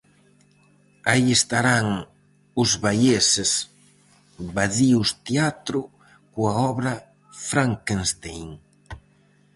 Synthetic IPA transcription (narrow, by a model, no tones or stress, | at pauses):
aiest̪aɾaŋ | ʊzβajeses | baðiʊst̪eat̪ɾʊ | kuaɔβɾɐ | fɾaŋkenst̪ejŋ